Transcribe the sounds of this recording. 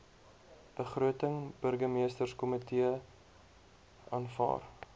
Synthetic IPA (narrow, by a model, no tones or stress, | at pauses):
b̥əχruətəŋb̥ərɡəmiəstərskɔmətʰiə | ɑːnfɑ̰ːr